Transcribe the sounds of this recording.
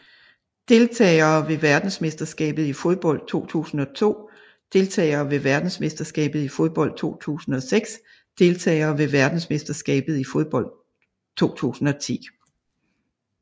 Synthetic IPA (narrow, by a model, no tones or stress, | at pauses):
d̥e̝lt͡sʰɛ̰ːɐːʋe̝ʋæɐd̥n̩sme̝sd̥ɐsɡ̥ɛ̰ːb̥ð̞̩ˠifo̝ð̞ˠb̥ɒ̽l̰d̥̚t͡sʰo̝̰ːt͡sʰṵːsn̩ɒ̽t͡sʰo̝̰ː | d̥e̝lt͡sʰɛ̰ːɪɐːʋe̝ʋæɐd̥n̩sme̝sd̥ɐsɡ̥ɛ̰ːb̥ð̞̩ˠifoð̞ˠb̥ɒ̽l̰d̥̚t͡sʰo̝̰ːt͡sʰṵːsn̩ɒ̽seɡ̥s | d̥e̝lt͡sʰɛ̰ːɐːʋe̝ʋæɐd̥n̩sme̝sd̥ɐsɡ̥ɛ̰ːb̥ð̞̩ˠifo̝ð̞ˠb̥ɒ̽l̰d̥ | t͡sʰo̝̰ːt͡sʰṵːsn̩ɒ̽t͡sʰḭː